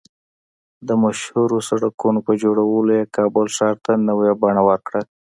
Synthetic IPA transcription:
d̪əmaʃhuɾosaɽakunopəd͡ʒoɽawəlojekɑbʊlʃɑɾt̪anəwjabaɳawəɾkɽa

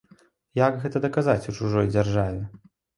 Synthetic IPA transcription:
jaɡɣɛt̪ɐd̪ɐkazat͡sʲut͡ʂuʐɔjd͡zʲarʐavʲɛ

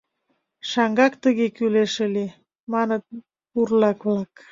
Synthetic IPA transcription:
ʃɑŋɡɑkt̪əɣekyleʃəle | mɑnət̪̚ | burlɑkβlɑk

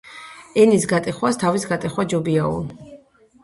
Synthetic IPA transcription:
ɛnisɡat̪ʼiχwast̪ʰavisɡat̪ʼiχwad͡ʒɔbiaṵl

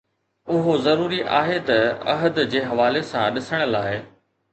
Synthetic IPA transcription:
ʊɦozɐɾuːɾiʔa̰ːɦet̪ɐɐ̰ɦəd̪d͡ʑeːɦɐʋaːlesãɗɪsəɽ̃əlaːɪ

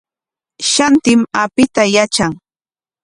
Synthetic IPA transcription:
ʃant̪ɪmapɪt̪ajat͡ʃaŋ

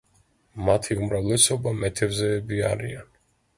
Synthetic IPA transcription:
mat̪ʰiumɾavlɛsɔbamɛt̪ʰɛvzɛːbia̰ɾḭan

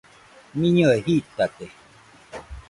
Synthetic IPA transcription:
mĩɲə̃eɦit̪at̪e

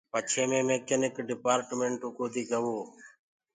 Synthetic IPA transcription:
pət͡ʃʰeːmẽːmeːkenɪkɖɪpaːɾʈmeːɳʈokoːd̪iːɡəʋoː

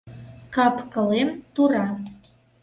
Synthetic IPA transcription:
kɑpkɤ̆lemt̪uɾɑ

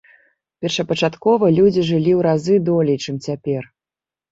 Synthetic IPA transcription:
pʲɛrʂɐpɐt͡ʂat̪kɔvɐlʲud͡zʲiʐɨlʲiwɾazɨd̪ɔlʲɛjt͡ʂɨmt͡sʲapʲɛr

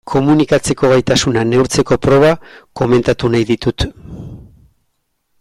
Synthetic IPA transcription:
kʰo̞munikat͡se̞ko̞ɣ̞ajt̪asunane̞wɾt͡se̞ko̞pɾo̞β̞ako̞me̞nt̪at̪unajðit̪ut̪

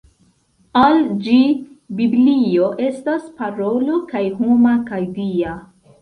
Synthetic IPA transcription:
ald͡ʒi | biblio̞ʔe̞staspaɾo̞lokajɦomakajdia

